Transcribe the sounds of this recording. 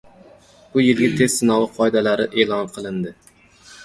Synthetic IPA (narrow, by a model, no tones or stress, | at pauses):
b̥ʊjɪlˠɡʲat̪ʰe̞z̥sɪnɒwɪqʰɒjd̪alaɾɪʔe̞ːlˠɒnqʰɨlˠɪnd̪ɪ